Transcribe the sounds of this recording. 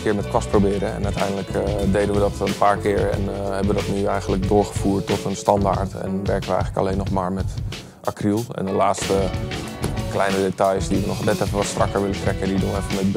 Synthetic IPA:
kɪːɹmɛtkʋɔsprobɪːɾəɛ̰nœtɛjndələkdejdənʋədɔtənpaːɹkɪːɹɛ̰nhɛbəədɔtnyɛjɣəndlək̚dʊːɹɣəfuːtːɔtənstɑnda̰ːɹtɛ̰nʋɛɹkənʋəɛ̰jxələka̰leːnːɔxmaːɹmɛt | ʔakrilˠɛ̰ndəlaːtstə | klɛjnədetajsdiʋənɔxnɛtɛfənʋɔtstrakəɹʋɪləntrɛkədidunɛfəmɛt̚

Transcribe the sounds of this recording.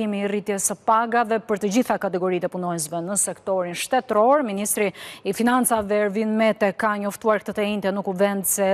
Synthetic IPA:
imiːrit̪jɛsəpaɡaðɛpəɾt̪əd͡ʑiθakat̪ɛɡɔɾit̪ɛpunɔɛs̬vɛnəsɛkt̪ɔɾinʃt̪ɛt̪ɾɔɾminist̪ɾiːfinant͡savɛɾvinmɛt̪ɛkaɲɔft̪uaɾk̚t̪ət̪aint̪ɛnukuvɛnd̪sɛ

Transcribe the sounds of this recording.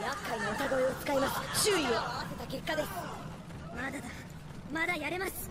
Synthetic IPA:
jakːainoɯt̪aɡo̞iot͡sɨ̥kaimasɨ̥ɕɨːɾʲioʔaβase̞t̪akʲe̞kːad̪e̞sɨ̥ | mad̪ad̪a | mad̪ajaɾe̞masɨ̥

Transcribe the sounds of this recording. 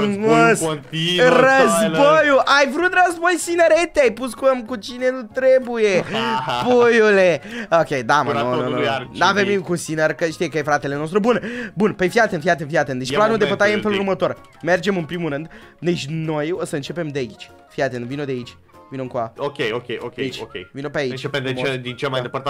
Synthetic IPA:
mos | rəzbojuʔajvɾut̪rəzbo̞jsinəɾet̪eajpuskuəmkut͡ʃine̞nut̪ɾe̞buje̞pujule̞okʲejd̪amaononavemikusinəɾkəʃt̪ijekəjefɾat̪e̞le̞no̞st̪ɾubunbunpefiat̪enfiat̪enfiat̪end̪et͡ʃʲplanud̪epət̪ajeɨnfelurmət̪o̞r | me̞rd͡ʒe̞mɨnpɾimuɾɨnd̪ | d̪et͡ʃʲno̞jo̞səɨnt͡ʃe̞pe̞md̪eait͡ʃʲ | fiat̪envinod̪eait͡ʃʲ | vinomkuaokʲejokʲḛjokʲeit͡ʃokʲḛjvinopeait͡ʃt͡ʃepemd̪ied̪int͡ʃelmajnd̪epəɾt̪a

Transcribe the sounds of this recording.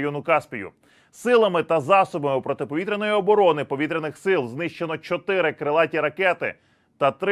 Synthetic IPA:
jɔnʊkɑspʲijʊ̰ | sɪlˠɐmɪt̪ɐzɑsɔbɐmɪpɾɔt̪ɪpɔʋʲit̪ɾʲenɔjiɔbɔɾɔnɪpɔʋʲit̪ɾʲenɪxsɪlˠznɪʃt͡ʃe̞nɔt͡ʃɔt̪ɪɾɪkɾɪlˠɑtʲiɾɐkɛt̪ɪ̰ | t̪ɐt̪ɾ

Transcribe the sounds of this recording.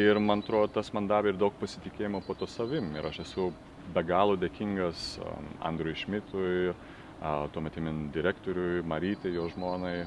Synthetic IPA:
ɪrmɐnɐt̪ɾoːd̪ot̪ɐsmɐnd̪ɑːbʲɛɪrd̪ɐʊk̚pɐsʲɪt̪ʲɪkʲeːjɪmopoːt̪oːsɐʋʲɪmɪ̰ɾɐʃɛsʊ | bʲɛɡɑːlˠoːd̪ʲeːkʲiŋɡɐsɐ̰nd̪ɾʊjʃʲmʲɪt̪ʊj | t̪uɔmʲɛt̪ʲɪmʲɪnd̪ʲɪɾʲæːkt̪oːɾʲʊjmɐɾʲiːt̪ʲɐɪjoːʒmoːnɐɪ

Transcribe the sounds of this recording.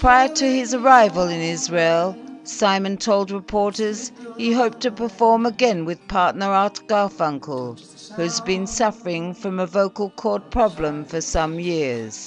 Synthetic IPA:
pʰɹ̥aɪə˞ɾʰɨɪzə˞aɪvəlˠɨ̃nɪzɹeɪlˠsãɪ̃mɨ̃ntʰoʊlˠd̚ɹɨpʰɔɹɾə˞z̥iɦoʊp̚tʰɨpʰə˞fɔɹməɡɛ̃nwɨð̥pʰɑɹtⁿnə˞ɑtɡ̥ɑfʌ̃ŋkʰəl̩ˠ | hʉɨzbɨ̃nsʌfə˞ɪ̃ŋfɹʌ̃məvoʊkəl̩ˠkʰɔɹt̚pʰɹ̥ɑblə̃ɱfə˞sʌ̃mjɪɹz̥

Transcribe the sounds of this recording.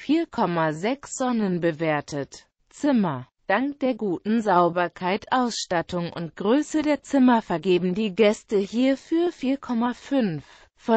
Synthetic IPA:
fiːɐkʰɔmazɛksz̥ɔnənbəveːɐtʰət | t͡sɪmɐ | d̥aŋkd̥eːɐɡuːtn̩zaʊbɐkʰaɪtʰʔaʊsʃtatʰʊŋʊ̰ntɡ̥ʁøːsədeːɐt͡sɪmɐfɛɐɡeːbm̩diːɡɛstəhiːɐfyːɐfiːɐkʰɔmafʏnf | fɔ

